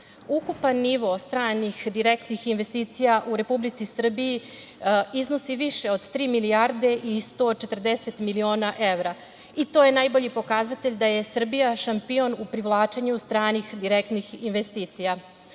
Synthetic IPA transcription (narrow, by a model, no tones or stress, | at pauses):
ukupanːiʋo̞st̪ɾaːnixd̪iɾekt̪nixinʋe̞st̪iːt̪sijaʔuɾe̞publit̪sisr̩biji | izno̞siʋiʃe̞o̞d̪t̪ɾiːmiliaɾd̪e̞ʔist̪o̞t͡ʃe̞t̪rd̪ese̞t̪milio̞ːnaʔe̞ʋɾa | it̪oje̞najbo̞ʎipo̞kazat̪eʎd̪aje̞sr̩bijaʃampio̞nupɾiʋlˠaːt͡ʃeɲust̪ɾaːnixd̪iɾekt̪nixinʋest̪iːt̪sija